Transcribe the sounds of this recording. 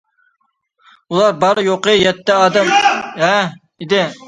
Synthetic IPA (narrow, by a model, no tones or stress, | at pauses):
ulˠɑɾbɑɾɨjoqɨjɛt̪ːɛɑːd̪ɛmɦɛ | id̪ɪ